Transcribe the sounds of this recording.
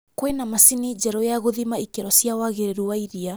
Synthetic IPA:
kwenamasinid͡ʒɛɾɔjaɣoðimaikeɾɔsjawaɣeɾeɾuwaiɾia

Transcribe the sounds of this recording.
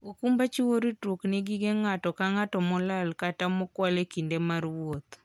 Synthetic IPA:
okumbat͡ʃiwoɾitɾoknɪɡiɡeŋatɔkaŋatɔmɔlalkatamɔkwalekindemarwot̪

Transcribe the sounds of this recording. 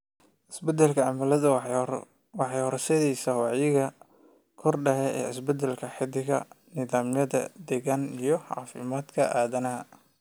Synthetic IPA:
ʔɪsbɛd̪ɛlkʰɐʕɑmɐlɐðɐ | wɑħɑjhɔɾsɛðɛjsɐwɑʕjɪɣɐ | kʰɔrɖɐhɛɛ̰ːɪ̰sbɛd̪ɛlkʰɐħɪd̪ɪɣɐ̰ | nɪðaːmjɐðɐ̰d̪ɛɣanijɞʕɑ̰ːfɪ̰maːd̪kʰɐ̰ʔaːðɐnɐɦɐ̰

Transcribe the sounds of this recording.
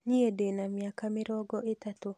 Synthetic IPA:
ɲiedenamjakamɪɾɔɡɔʔet̪at̪o

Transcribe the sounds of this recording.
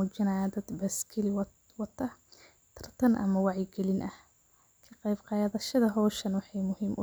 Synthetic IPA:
ʊd͡ʒɐnaːd̪ɐd̪bɐskʰɪlɪw | wɐt̪ʰːɐ | t̪ʰɐ̥rt̪ʰɐnʔɐ̰mɐwɑʕjɪɡɛlɪnʔɐh | kʰɐqɑjbqɑjðɐʃɐðɐɦɔːʃɐnwɑħɑjmʊhɪmʔʊ

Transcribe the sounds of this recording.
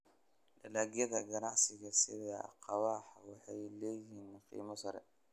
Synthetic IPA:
lɐlaːɡijɐðɐɡɐnɑʕsɪɣɐsɪðɐqɑwɑːħwɑħɑjlɛjhiːnqḭːmɐsɐɾɛ̰

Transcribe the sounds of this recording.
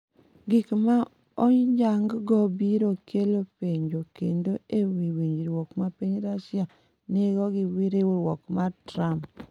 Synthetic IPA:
ɡɪkma | ɔɲd͡ʒaŋɡɡɔbiɾokʰelopeɲd͡ʒokendoewiwiɲd͡ʒɾwɔkmapeɲɾasja | neɡɔɡɪwiɾewuɾwɔkmatɾamp

